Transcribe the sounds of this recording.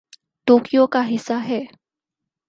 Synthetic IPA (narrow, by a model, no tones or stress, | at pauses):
ʈoːkijokaɦɪsːaɦɛː